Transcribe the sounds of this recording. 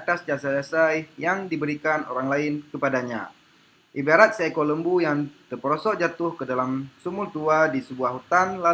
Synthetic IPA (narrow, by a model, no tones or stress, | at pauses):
at̪asd͡ʒasaasajjaŋdibəɾikano̰ɾaŋlaɪnkəpadaɲa̰ | ʔibaɾat̪̚sakoləmbujaŋt̪ərpəɾɔsɔʔd͡ʒat̪ʊhkədalamsumʊlt̪uadisəbuahɦut̪anla